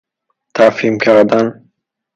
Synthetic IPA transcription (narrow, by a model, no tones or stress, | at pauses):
t̪ʰafimkʰaɾd̪an